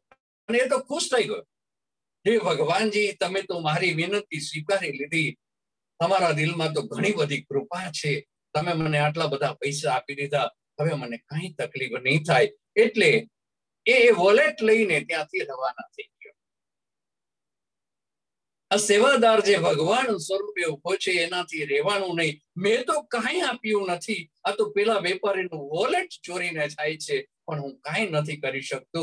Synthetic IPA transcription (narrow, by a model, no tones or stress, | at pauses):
əneːt̪̬okʰuʃt̪ʰəiɡəjo | ɦebʱəɡʋand͡ʒit̪əmẽt̪omaɾiʋinənt̪isʋikaɾilid̪ʱi | t̪əmaɾad̪ɪlmãt̪̬oɡʱəɽ̃ibəd̪ʱikɾupat͡ʃʰe | t̪əmeməneaʈlabəd̪ʱapəisaːpid̪id̪ʱa | ɦəʋemənekãĩt̪əklifnəĩt̪ʰaj | eʈleː | ʋɔleʈləinet̪jãt̪ʰiɾɛʋanat̪ʰi | aseʋad̪aɾd͡ʒebʱəɡʋansəɾueũɦojt͡ʃʰeːnãt̪ʰiɾɛɦʋanũnəɦĩ | mɛ̃t̪okãĩapjũnət̪ʰi | at̪opɛlaʋɛpaɾinũʋɔleʈt͡ʃoɾinet̪ʰajt͡ʃʰe | pəɳɦũkãinət̪ʰikəɾiʃək̚t̪ũ